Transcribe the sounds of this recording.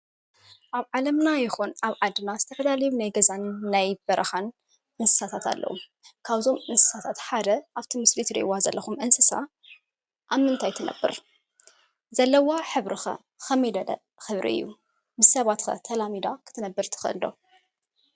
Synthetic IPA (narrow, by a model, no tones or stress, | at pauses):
ʔaβʕalɐmnajɪxunʔaβʕad̪ɨnazɨt̪ʰɐfɐlalɐjunajɡɐzanːajb̥ɐɾʔɐxan | ʔɨnsɨ̥sat̪ʰat̪ʰa̰lːʔɐ̰wṵ | kʰaβzo̞mʔɨnsɨ̥sat̪ʰat̪ħad̪ɐʔaβt̪ʰimɨslit̪ʰɨɾḭʔwazɐ̰lːɐxumʔɨnsɨsa̰ | ʔaβmːɨnt̪ʰajt̪ʰɨnʔɐ̰bːɨ̰ɾ | zɐlːɐwaħɨβɾɨxɐ̰ | xɐmɐjd̪ɐlɐ̰ | xɨβɾḭɨ̰jːṵ | mɨssːɐβat̪xɐ̰t̪ʰɐlamid̪akʰɨ̥t̪ʰɨnɐbːɨɾt̪ʰɨ̥xɐɨ̰ld̪o̞̰